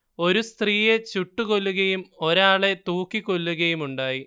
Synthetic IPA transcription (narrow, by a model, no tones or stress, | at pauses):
o̞ɾust̪riːje̞t͡ɕuʈːuɣo̞lːuɣɐjumo̞ɾaːɭe̞t̪uːkːikːo̞lːuɣɐjumuɳɖaːji